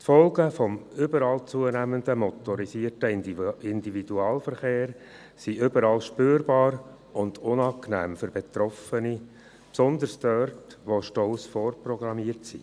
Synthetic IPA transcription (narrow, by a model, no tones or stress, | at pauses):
t̪fɔlˠɡəfɔmʏbəɾɑːlt͡suənæmənd̪əmɔt̪ɔɾisiəɾtəɪndividuɑːlfəɾχeːɾ | siʔʏbəɾɑːlʃpøːɾbɑːɾ | ʊnd̪ʊnɑːknæ̰ːmføɾbet̪ɾɔfəni | psɔnd̪əɾsdœrtʋoʃtɔlsfɔːrprɔɡɾɑmiərtsḭ